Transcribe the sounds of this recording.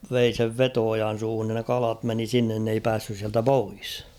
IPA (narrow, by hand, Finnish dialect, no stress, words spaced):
ʋei seʋ ʋetoojɑn̞ suːhun nin ne kɑlɑt meni sinːen n ei pæːsːys siæltæ pois